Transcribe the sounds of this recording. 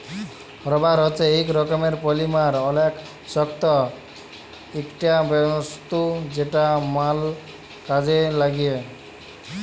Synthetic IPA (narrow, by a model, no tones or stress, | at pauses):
hɔɾɔbaɾɔt͡ʃeekɾɔkɔmeɾpɔlimaɾɔlek | sɔkt̪ɔ | ekʈiabeɔst̪ud͡ʒeʈamal | kad͡ʑelaɡije